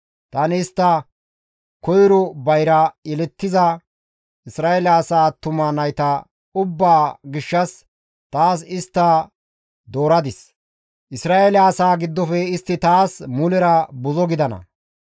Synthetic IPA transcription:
t̪ɐnːst̪ːɐ | kɔjɾɔbɐjɾɐɛlɛt̪ːɪzɐ | ʔɪsɾaːʔelɐːsaːt̪ʊmanɐjt̪ɐ | ʊbːaːɡɪʃːɐs | t̪aːsɪst̪ːɐ | d̪oːɾɐd̪ɪs | ʔɪsɾaːʔelɐːsaːɡɪd̪ːɔfɛɪst̪ːɪt̪aːsmʊlɛɾɐbʊzɔɡɪd̪ɐnɐ̰

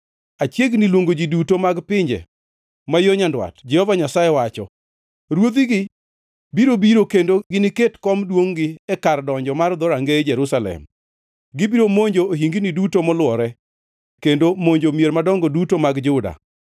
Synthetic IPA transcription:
at͡ʃjeɡnilwoŋɡod͡ʒidutomaɡpɪɲd͡ʒɛ̰ | majoɲandwa̰td͡ʒɛhɔvaɲasajɛwat͡ʃɔ̰ | ɾwod̪iɡɪ | biɾobiɾokendoɡɪnɪketkɔmdwoŋɡɪɛkardɔɲd͡ʒɔmard̪ɔɾaŋɡed͡ʒɛɾusalɛ̰m | ɡɪbiɾomoɲd͡ʒooɦiŋɡinidutomɔlwɔɾɛ | kendomoɲd͡ʒomjeɾmadɔŋɡɔdutomaɡd͡ʒʊda̰

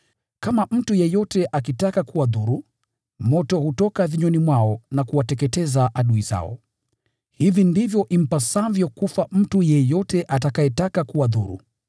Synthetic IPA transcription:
kamam̩tujɛjɔtɛʔakitakakuwaðuɾu | mɔtɔhutɔkaðiɲɔnimwaɔnakuwatɛkɛtɛzaʔaɗuiza̰ɔ̰ | hivindivjɔʔim̩pasavjɔkufam̩tujɛjɔtɛʔatakajɛtakakuwaðuɾṵ

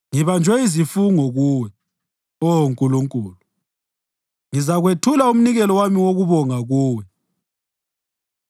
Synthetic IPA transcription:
ŋiβand͡ʒʱwɛizifuŋɔɣuːwɛ | oŋkʼuluŋkʼuːlu | ŋizaɣwetʰulaum̩niɣɛlɔwamiwoɣuβɔŋaɣuːwɛ

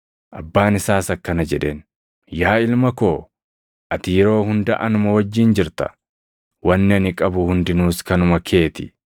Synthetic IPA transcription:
ʔɐbːaːnɪsaːsɐkːɐnɐd͡ʒɛᶑeːn | jaːɪlmɐko̞ː | ʔɐt̪ɪjɛɾo̞ːhʊnd̪ɐʔɐnʊmɐwɐd͡ʒːiːnd͡ʒɪɾt̪ɐ̰ | wɐnːɪɐnɪkʼɐbʊhʊnd̪ɪnuːskɐnʊmɐkʰe̞ːt̪ɪ

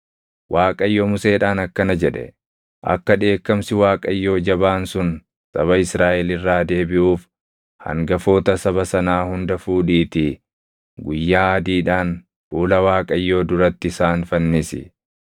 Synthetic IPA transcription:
wʔaːkʼɐjːo̞ːmʊse̞ːᶑaːnɐkːɐnɐd͡ʒɛᶑɛ̰ | ʔɐ̰kːɐᶑe̞ːkːɐmsɪwaːkʼɐjːo̞ːd͡ʒɐbaːnsʊn | sɐ̰βɐɪsɾaːʔɛlɪrːaːd̪e̞ːbɪʔuːf | hɐ̰ŋɡɐfo̞ːt̪ɐsɐbɐsɐnaːhʊnd̪ɐfuːᶑiːt̪ɪ | ɡʊjːaːɐd̪iːᶑaːn | fuːlɐwaːkʼɐjːo̞ːd̪ʊɾɐt̪ːɪɪsaːnfɐnːɪsɪ̰

